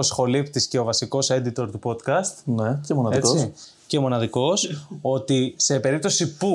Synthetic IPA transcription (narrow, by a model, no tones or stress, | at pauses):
osxo̞lipt̪isce̞ovɐsiko̞se̞d̪it̪o̞ɾt̪upo̞t̪kɐst̪necemonɐðiekois | cemo̞nɐðiko̞so̞t̪ise̞pe̞ɾip̚t̪o̞sipu